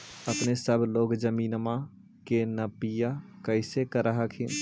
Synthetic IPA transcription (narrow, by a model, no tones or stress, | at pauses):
əpnesəbʱloːɡd͡ʒəmiːnmã | kenəpijakəɪsekəɾəɦəkʰi